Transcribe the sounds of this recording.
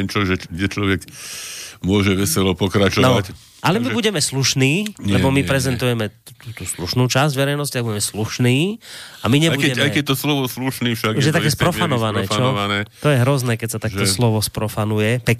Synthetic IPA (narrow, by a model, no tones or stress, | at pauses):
nt͡ʃɔʒɛɡɟɛt͡ʃlɔʋɛk | mʊɔʒɛʋɛsɛlɔpɔkɾat͡ʃɔnɔac | ʔalɛmibuɟɛmɛsluʃniːlɛbɔmipɾɛzɛnt̪ujɛmɛt̪ut̪uːsluʃnuːt͡ʃazɟʋɛɾɛjnɔscit̪aɡ̚buɟɛmɛsluʃniːamiɲɛbukɛɛaɛjkɛt̪ɔslɔʋɔsluʃniːfʃaɡʒɛt̪ajɛspɾɔfanɔʋanɛːt͡ʃɔʋanɛːt̪ɔjɛɦɾɔznɛːkɛcsat̪akt̪ɔslɔʋɔspɾɔfanujɛpɛ